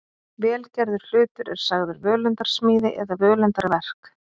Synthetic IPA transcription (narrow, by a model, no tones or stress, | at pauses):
vɛːlcɛɾðʏɾ̥l̥ʏːt̪ʏɾɛɾ̥saɣðʏɾvœːlœnt̪aɾ̥smiːðɪ̰ʔɛðavœːlœnt̪aɾvɛr̥k